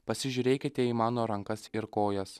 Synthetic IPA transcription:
pɐsʲɪʒʲuːɾʲeːkʲɪt̪ʲɛimɑːnoːɾɐŋkɐsɪɾkoːjɛs

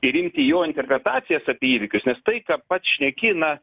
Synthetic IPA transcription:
ɪɾɪmʲt̪ʲɪjoːɪnʲt̪ʲɛrʲpʲɾʲɛt̪ɑːsʲɪjɛsɑːpʲeːiːʋʲɪkʲʊsnʲɛst̪ɐɪkɑpɐt̪sʃʲnʲɛkʲɪnɐ

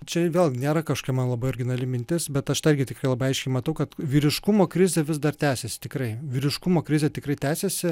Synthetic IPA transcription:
t͡ʃʲɛʋʲeːlˠɡʲnʲeːɾɐkɐʃo̥kʲɛmɐnlˠɐbɐɪɔɾʲɡʲɪnɐlʲɪmʲɪnʲt̪ʲɪsbʲɛt̪ɐʃt̪ɪrʲɡʲɪt̪ʲɪkɾɐɪlˠɐbɐɪɐɪʃʲkʲɛɪmɐt̪ɐʊkɐt̪ʋʲiːɾʲɪʃkʊmoːkɾʲɪzʲeːʋʲɪzd̪ɐrt̪ʲæːsʲesʲɪ̥t̪ʲɪkrɐɪʋʲiːɾʲɪʃkʊmoːkɾʲɪzʲet̪ʲɪkɾɐɪt̪ʲæːsʲesʲɪ

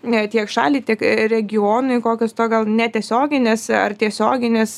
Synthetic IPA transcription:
t̪ʲiɛkʃɑ̰ːlʲiːt̪ʲiɛkɾʲɛɡʲɪoːnʊɪkoːkʲost̪oːɡɐlˠnʲɛt̪ʲiɛsʲoːɡʲɪnʲesɐ̰rt̪ʲiɛsʲoːɡʲɪnʲes

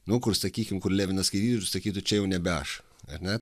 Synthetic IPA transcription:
nʊkʊrsɐkʲiːkʲɪmkʊɾlʲæːʋʲɪnɐskɐɪt̪ʲiːt̪ʲʊtʊsɐkʲiːt̪ʊt͡ʃʲɛjɛʊnʲɛbʲɛɐ̰ʃ | ɐrʲnʲɛ

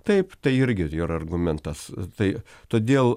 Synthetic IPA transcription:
t̪ɐɪpt̪ɐɪɪɾʲɡʲɪjoɾɐrɡʊmʲɛnt̪ɐst̪ɐɪt̪oːd̪ʲeːlˠ

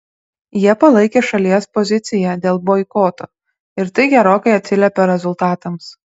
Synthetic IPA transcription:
jiɛpɐlˠɐɪkʲeːʃɐlʲiɛspɔzʲɪt̪sʲɪjɛd̪ʲeːlˠbɔɪkoːt̪oː | ɪɾt̪ɐɪɡʲɛɾoːkɐɪɐt̪ʲsʲɪlʲɛpʲɛɾʲɛzʊlˠt̪ɑːt̪ɐms

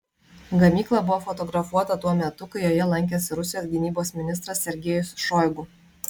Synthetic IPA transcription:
ɡɐmʲiːklˠɐbʊʋoːfɔt̪ɔɡɾɐfuɔt̪ɐt̪uɔmʲɛt̪ʊkɐɪjoːjɛlˠɐŋʲkʲeːsʲɪɾʊsʲɪjoːsʲɡʲɪnʲiːboːsmʲɪnʲɪst̪ɾɐsːʲɛɾʲɡʲɛːjʊsʃɔɪɡʊ

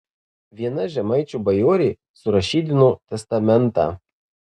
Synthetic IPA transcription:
ʋʲiɛnɐʒʲɛmɐɪt͡ʃʲuːbɐjoːɾʲeː | sʊɾɐʃʲiːd̪ʲɪnut̪ʲɛst̪ɐmʲɛnt̪ɑ̰ː

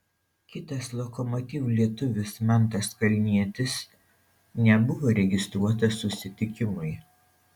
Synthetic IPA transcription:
kʲɪt̪ɐslˠɔkɔmɔt̪ʲiːʋulʲiɛt̪ʊʋʲɪsmɑnt̪ɐskɐlʲnʲiɛt̪ʲɪs | nʲɛbʊʋoːɾʲɛɡʲɪst̪ɾuɔt̪ɐsːʊsʲɪt̪ʲɪkʲɪmʊɪ

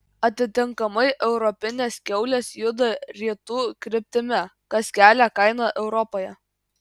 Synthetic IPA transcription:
ɐt̪ʲɪt̪ʲɪŋkɐmɐɪʔɛʊɾɔpʲɪnʲeːskʲɛʊlʲeːsjʊd̪ɐɾʲiːt̪uːkɾʲɪpʲt̪ʲɪmʲɛ | kɐskʲæːlʲɛkɐɪnɑʔɛʊɾɔpoːjɛ

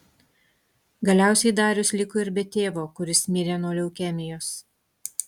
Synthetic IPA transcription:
ɡɐlʲæˑʊsʲɛɪd̪ɑːɾʲʊslʲɪkʊɪɾʲbʲɛt̪ʲeːʋoːkʊɾʲɪsmʲɪɾʲeːnoːlʲɛʊkʲɛmʲɪjoːs

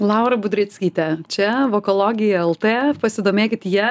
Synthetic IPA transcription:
lˠɑˑʊɾɐbʊd̪ʲɾʲɪt̪ʲsʲkʲiːt̪ʲɛt͡ʃʲɛʋoːkolˠoːɡʲɪjɛɛlˠt̪eːpɐsʲɪd̪oːmʲeːkʲɪt̪jiɛ

